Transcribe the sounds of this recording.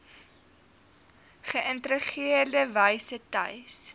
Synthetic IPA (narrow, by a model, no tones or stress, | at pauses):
χəʔəntɾəχiərdəvəjsətɐ̰js